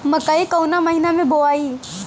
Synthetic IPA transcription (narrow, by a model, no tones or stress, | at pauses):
məkəikɐwnaməɦinamẽboaːiː